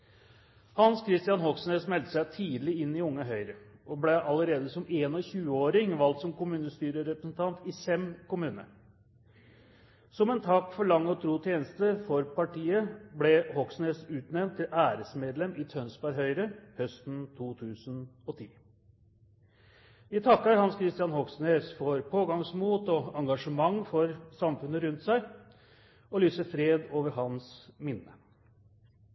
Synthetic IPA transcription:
hɑnskʰɾɪst̪ɪɑnhɔksneːsmɛlt̪ə̥sæɪt̪ʰiːd̪lɪɪnːɪʊŋːəɦœʏɾəʔɔblɛʔɑləɾeːd̪əsɔmeːnɔçʉːəoːɾɪŋʋɑlt̪sɔmkʊmʉːnəst̪yːɾəɾɛpɾəsn̩t̪ʰɑnt̪ɪfɛmkʊmʉːnə̰ɾ | sɔmɛnt̪ʰɑkːfɔɭɑŋːɔt̪ʰɾuːt̪ʰjeːnəst̪əfɔɾpɑʈiːəblɛhɔksneːsʉːt̪nɛʋnt̪ʰːɪlæːɾəsmeːd̪lɛmɪt̪ʰœnsbɑɾɦœʏɾəhœst̪n̩t̪ʰuːt̪ʰʉːsənɔt̪ʰḭː | ʋɪt̪ʰɑkːəɾhɑnskʰɾɪst̪ɪjɑnhɔksneːsfɔɾpʰoːɡɑŋsmuːt̪ɔɑŋɡɑʂəmɑŋːfɔɾsɑmfʉnəɾʉnt̪sæɪ | ɔlyːsəfɾeːd̪oːʋəɾɦɑnsmɪnːə

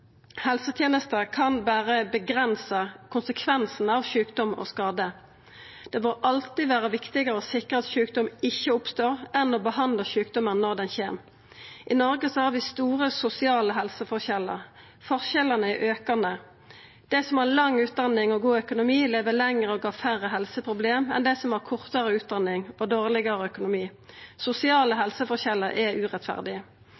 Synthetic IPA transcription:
hɛlsət̪ʰjeːnəst̪əkʰɑnbæːʁəbəɡʁɛnsəkʰʊnsəkʰʋɛnsn̩ɑʋʃʉːkd̪ɔmo̰ːskɑːd̪ə | d̪̥ɛbəʁɑlt̪ɪʋæːʁəʋɪkt̪ɪɡəʁəosɪkʁəɑt̪ʃʉːk̚d̪ɔmɪçːəʊpst̪oːʁɛnoːbəhɑnd̪ləçʉːkd̪ɔmənnɔʁd̪ɛnçeːm | ʔɪnɔʁɡəsɔhɑːʁʋɪst̪uːʁəsʊsɪɑːləɦɛlsəfɔʁçɛlːə̰ʁ | fɔʁçɛləʁnəɛʔøːkɑnə | d̪̥ɛsɔmhɑːʁlɑŋːʉːt̪̚d̪ɑnːɪŋɔɡuːœkʊnʊmiːleːʋəlɛŋʁəoɡɑːfæʁəɦɛlsəpʰʁʊbleːmɛ̰nd̪ɛɪsɔmhæʁkʰʊʁt̪əʁəʉːt̪̚d̪ɑnɪŋɔd̪oːʁlɪɡəɾəœkʊnʊmiːsʊsɪɑːləɦɛlsəfɔçɛləɾʔɛʉːʁɛt̪fæ̰ʁd̪ɪə

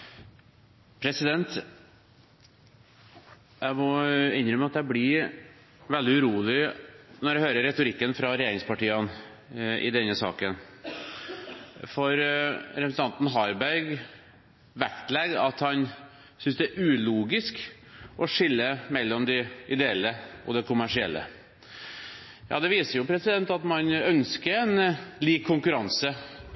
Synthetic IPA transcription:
pʰɾɛsɪd̪ɛnt̪ | jæɪmɔɪnɾəmɛɑt̪̚d̪ɛæblɪ | ʋɛld̪ɪʉɾuːlɪnɔɾɖæhøːɾəɾɾɛt̪ʊɾɪkːənfɾɑɾɛjeːɾɪŋspɑʈiːən | ʔɪ̰d̪ɛnːəsɑ̰ːkən | fɔɾɾɛpɾsənʰɑnt̪n̩ɦɑɾbæɾɡ | ʋæ̰kt̪lɛɡɑt̪hɑn | sʏnsd̪ɛæʔʉːluːɡɪsk | ʔɔʂɪlːəmɛlːɔmd̪ɪɪd̪ɛɛlːəɔ̰d̪ɛkʰʊmæʂɪɛ̰lːə̰ | jɑ̰ːd̪ɛʋiːsəɾjʊpʰɾɛsɪd̪ɛnt̪ɑt̪mɑnœnskəɛnliːkʰːʊŋkʉɾɑnsə

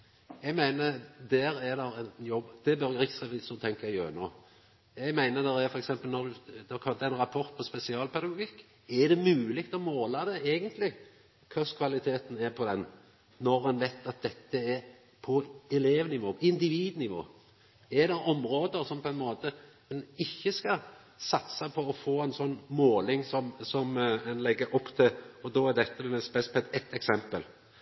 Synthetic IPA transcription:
ɛɡmæɪnəd̪æːɾɛd̪ɛɾɛnjɔbd̪̥ɛbœɾʁɪksɛʋɪsɔt̪ʰɛŋkəɛɡjø̰ːɾənoː | ɛɡmæɪnəd̪ɛdɛfɔɾɛksɛmpəlnɔɾd̪ʉd̪kʰɑlt̪ɑɛɪnɾɑpʰɔɾt̪̚pʰɔspɛsɪɑːlpʰɛd̪ɑɡʊɡɪkː | ɛɾd̪ɛmʉːlɪkt̪ɔmoːlɑd̪ɛeːɡənt̪lɪ | kʰʊskʰʋɑlɪt̪ʰeːt̪n̩æɾpʰɔd̪ɛnː | ɔɾɛnʋɛɪt̪ɑt̪̚d̪ɛt̪ːəɛɾ | pʰɔɛleːʋnɪʋoːpʰɔɪnd̪ɪʋiːd̪nɪʋo̰ː | ɛd̪ɛɾɔmɾoːd̪əɾsɔmpʰɔɛnmoːt̪ə | mɛnɪçːəskɑ | sɑt̪sɑpʰɔɔfoːɛnsɔnːmoːlɪŋsɔmsɔmɛnlɛɡːəɾʔɔpːt̪ʰɪɔd̪ɔːæɾd̪ɛt̪ːəɛspɛspʰɛt̪ɛt̪ːɛksɛmpəl

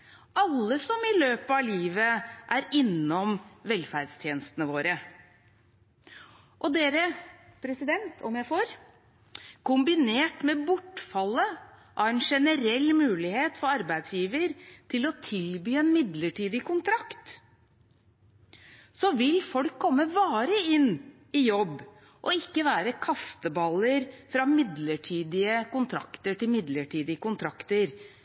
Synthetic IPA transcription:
ʔɑlːəsɔmɪløːpəɑliːʋəʔæɾɪnːɔmʋɛlfæɖst̪ʰjeːnəst̪ənəʋoːɾə | ʔɔd̪eːɾəpʰɾɛsɪd̪ɛnt̪ʰɔmjæɪfoːɾ | kʊmbɪneːʈmɛbʊʈːfɑlːə | ʔɑʋɛnʂɛnəɾɛlːmʉːlɪheːt̪fɔɾɑɾbæɪd̪sjiːʋəɾt̪ʰɪlɔt̪ʰɪlbyːɛeːnmɪd̪ləʈʰiːd̪ɪkʊnt̪ʰɾɑkt̪ | sɔʋɪlfɔlkʰːɔmːəʋɑːɾəɪnː | ɪjɔbː | ʔɔɪkːəʋæːɾəkʰɑst̪əbɑləɾfɾɑmɪd̪ləʈʰiːd̪ɪəkʊnt̪ʰɾɑ̰kt̪əʈɪlmɪd̪ləʈʰiːd̪ɪəkʊnt̪ʰɾɑkt̪əɾ

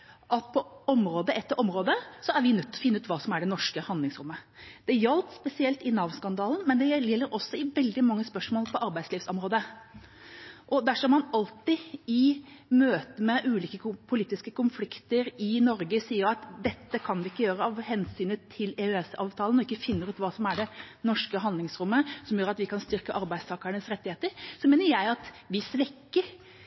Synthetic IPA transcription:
ʔɑt̪̚pʰɔɔmɾoːd̪əʔɛt̪ːəɾʔɔmɾoːd̪əsɔæɾʋɪnœt̪ːɔfɪnːəʉːt̪ʋɑːsɔmæɖɛnɔʂkəhɑnd̪ɪŋsɾʊmːə | d̪̥ɛjɛlt̪spɛsɪɛlt̪ɪnɑːʋskɑnd̪ɑːln̩mɛnd̪ɛɛjɛlːəɾɔsːɔɪʋɛld̪ɪmɑŋːəspœʂmoːlpʰɔʔɑɾbæɪsliːfsɔmɾoːd̪ə | ʔɔd̪æʂɔmɑnɑlt̪ɪɪmøːt̪əmɛʔʉːliːkəpʰʊliːt̪ɪskəkʊnflɪkt̪əɾɪnɔɾɡəsiːəɾɑt̪d̪ɛt̪ːəkʰɑnʋɪɪkːəjøːɾəɑʋhɛnsyːnət̪ʰɪlɛøɛsɑ̰ːʋt̪ʰɑːlənɔɪkːəfɪnːəɾʉːt̪ʋɑːsɔmæɖɛnɔʂkəɦɑnd̪lɪŋsɾʊmːəsɔmjøːɾɑt̪ʋɪkʰɑnst̪ʏɾkəʔɑɾbæɪd̪st̪ɑːkəɾɳəsɾɛt̪ːɪheːt̪əɾsɔmeːnəɾjæɪɑt̪ | ʋɪsʋɛkːəɾ

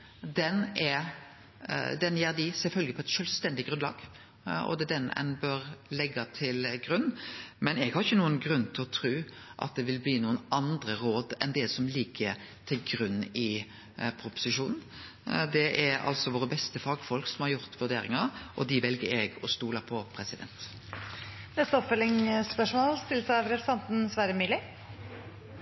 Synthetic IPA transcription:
d̪ɛnɛ | d̪ɛnjeːɾd̪ɪsɛlfœlɡəpʰɔɛt̪ʃœlst̪ɛnd̪ɪɡɾʉnlɑ̰ːɡ | ɔ̰d̪ɛd̪ɛnɛ̰nbøɾlɛɡːɑt̪ʰɪlɡɾʉnːmɛnɛɡhɑɾʁɪçːənuːənɡɾʉnːt̪ʰɪlɔt̪ʰɾʉːʔɑ̰t̪̚d̪ɛʋɪlbliːnuːənʔɑnd̪ɾəɾoːd̪ɛ̰nd̪ɛsɔmliːkʰə | t̪ʰɪlɡɾʉnːɪ | pʰɾʊpʊ̥sɪʂuːnn̩ | d̪ɛʔɛɑ̰lt̪sɔʋoːɾəbɛst̪əfɑːɡfɔlksɔmhɑɾjʊɾt̪ʋʉd̪eːɾɪŋɑɾʔɔd̪ɪʋɛlɡəɾɛɡɔst̪uːlɑpʰɔpʰɾɛsɪd̪ɛ̰nt̪ | nɛst̪əɔpfɛlɪŋspœʂmoːlst̪ɪləsɑʋɾɛsɑnt̪n̩sʋæːɾəmyːlɪ

